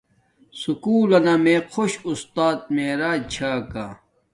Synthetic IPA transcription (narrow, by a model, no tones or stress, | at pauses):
sukuːlɐnamẽqʰoɕust̪aːt̪̚meːɾaːt͡ɕʰaːka̰ː